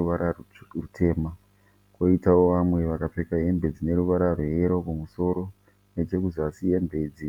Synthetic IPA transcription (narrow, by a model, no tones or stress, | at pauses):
aɾa | rutʰe̞ːma | ko̞itawo̞ʋamwe̞ʋakap͡fe̞kaɦe̞mbe̞d͡zine̞ɾuʋaɾaroɦe̞ɾo̞kumuso̞ɾo̞ | net͡ʃe̞kuzasijembe̞ːd͡zi